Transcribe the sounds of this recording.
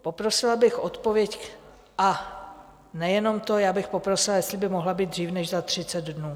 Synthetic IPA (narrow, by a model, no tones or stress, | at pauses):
po̞pɾo̞sɪlabɪxʔo̞t̪po̞vjɛc | ʔa | nɛjɛno̞mt̪o̞jaːbɪxpo̞pɾo̞sɪlajɛst̪lɪbɪmo̞ɦlabiːd̪d̪riːfnɛʃzat̪r̝̥ɪt͡sɛd̪dnuː